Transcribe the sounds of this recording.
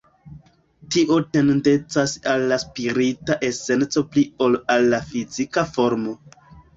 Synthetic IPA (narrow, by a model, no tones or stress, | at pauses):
tiʔo̞te̞ndet͡sasalːaspiɾitaʔe̞se̞nt͡so̞pliolalːafizikafo̞ɾmo̞